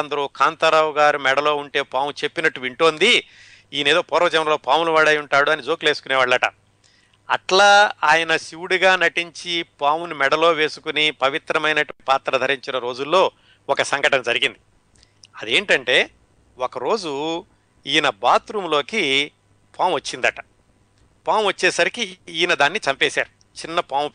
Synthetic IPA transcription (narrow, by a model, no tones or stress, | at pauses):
ɐnd̪ɐɾuːkʰaːnt̪ɐɾɐʋuɡaːɾumɛɽɐlo̞ːuɳʈe̞ːpaːmut͡ʃe̞pːinɐʈːuʋiɳʈo̞ːnd̪i | iːne̞ːd̪oːpɔɾɐʋɐd͡ʒɐmɾɐloːpaːmuluʋaːɽɐjuɳʈaːɽuɐnid͡ʒo̞ːkule̞ːsukuneːʋaːɭːɐʈɐ̰ | ɐʈlaːaːjɐnɐsiwuɽiɡaːnɐʈiɲt͡ʃipaːmunimɛɽɐlo̞ːʋe̞ːsu̥kunipɐʋit̪ɾɐmɐjnɐʈpaːt̪ɾɐd̪ʱɐɾiɲt͡ʃinɐɾo̞ːd͡ʒulːoː | ɔkɐsɐŋɡɐʈɐnɐd͡ʒɐɾiɡind̪i | ɐd̪ie̞ːɳʈɐɳʈe̞ː | okɐɾo̞ːd͡ʒu | ijnɐbaːt̪ɾumlo̞ːki | pʰaːmʋɐt͡ʃːind̪ɐʈɐ̥ | paːmʋɐt͡ʃːɛːsɐɾikiiːjnɐd̪aːnːit͡ʃɐmpɛːsaːɾu | t͡ʃinːɐpaːm